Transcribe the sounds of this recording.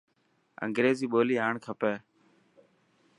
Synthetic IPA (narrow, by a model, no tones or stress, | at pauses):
ə̰ŋɡɾeːziːɓoːliːɦaːɳkʰəpeː